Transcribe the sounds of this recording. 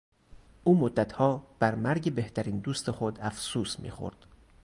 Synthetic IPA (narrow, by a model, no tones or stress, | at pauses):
ʔuːmod̪ːæt̪ʰhɒːb̥æɾmæɾɟe̞beht̪ʰæɾiːnd̪uːst̪e̞xod̪æfsuːsmḭːxo̰ɾd̪̥